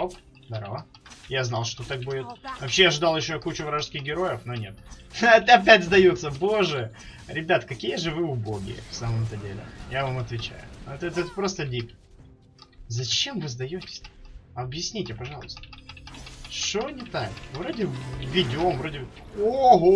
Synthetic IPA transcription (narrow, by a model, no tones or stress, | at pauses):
op | d̪ɐɾo | jaznɑlˠʂt̪ot̪ak̚budʲɪt̪vɐpɕːeɐʐɨd̪ɑlˠjɪɕːokut͡ɕʊvɾaʐskʲɪxɡʲɪɾo̞jɪfnonʲe̞t̪ɐp̪ɐp̬ʲætʲzd̪ɐjot̪sːəbo̞ʐɨ | ɾʲɪbʲat̪kɐkʲijəʐɨvɨʊboɡʲɪ̰ə̰fsaməmɛt̪ədʲelʲɪ̰javamɐt̪vʲɪt͡ɕæ̰jʊ̰ot̪ɛt̪ət̪pɾo̞st̪ədʲip | zɐt͡ɕemvɨzd̪ɐjotʲɪ̥sʲɐbjɪsʲnʲitʲɪpɐʐɑlˠʊst̪əə̥ | ʂonʲɪt̪akvɾo̞dʲɪvʲɪdʲɪomvɾodʲɪboɦo